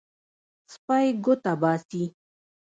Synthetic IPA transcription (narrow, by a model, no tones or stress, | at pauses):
spajɡʊt̪abɑːsi